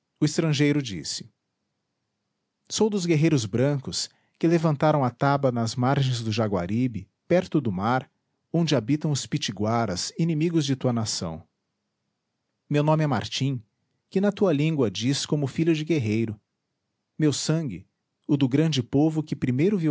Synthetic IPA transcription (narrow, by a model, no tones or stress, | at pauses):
ʊɪst̪ɾɐ̃ʒejɾʊd͡ʒḭsɪ̥ | sowd̪ʊzɡeɦejɾʊzbɾɐ̃kʊs | kɪlevɐ̃nt̪aɾɐ̃w̃ɐt̪abɐnɐzmaɾʒẽj̃zd̪ʊʒaɡwa̰ɾibɪ | pɛɾt̪ʊd̪ʊmaɾ | õnd͡ʒɪabit̪ɐ̃w̃ʊspit͡ʃiɡwaɾɐ̰sinĩmiɡʊzd͡ʒɪt̪uɐnasɐ̰̃w̃ | mewnõmɪɛma̰ɾt͡ʃĩ | kɪnɐt̪uɐlĩŋɡwɐd͡ʒiskõmʊfiʎʊd͡ʒɪɡeɦejɾʊ | mewsɐ̃ɡɪ̰ | ʊd̪ʊɡɾɐ̃d͡ʒɪpovʊkɪpɾimejɾʊvi